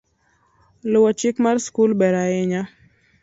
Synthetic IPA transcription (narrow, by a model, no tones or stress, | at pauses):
lʊwɔt͡ʃikmaɾskulbɛɾaɪɲa